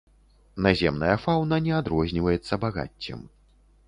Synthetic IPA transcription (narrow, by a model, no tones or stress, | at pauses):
nazʲɛmnɐjɐfawnɐnʲɛad̪ɾɔzʲnʲivɐjɛt̪sːɐbaɣa̰t͡sʲːɛ̰m